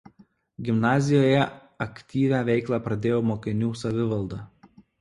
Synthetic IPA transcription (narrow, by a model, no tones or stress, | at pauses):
ɡʲɪmnɑːzʲɪjoːjɛ | ɐkʲt̪ʲiːʋʲæːʋʲɛɪklˠɑːpɾɐd̪ʲeːjoːmoːkʲɪnʲuːsɐʋʲɪʋɐlˠd̪ɑ